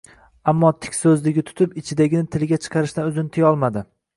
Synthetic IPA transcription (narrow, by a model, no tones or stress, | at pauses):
amːɒt̪ʰɪ̥kʲsɵzlɪɡʲɪt̪ʰʊ̥t̪ʰɪpɪt͡ʃʰɪd̪aɡʲɪnɪt̪ʰɪlɡʲat͡ʃʰɨ̥qʰɑɾɪʃnɪɵzɪnɪt̪ʰɪjɒlˠmad̪ɪ